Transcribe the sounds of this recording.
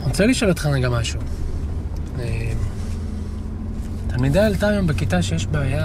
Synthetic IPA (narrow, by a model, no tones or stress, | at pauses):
ʁot͡seliʃolot̪χaʁeɡamaʃu | em | t̪almid̪aalt̪ammbekit̪aʃejeʃbeːja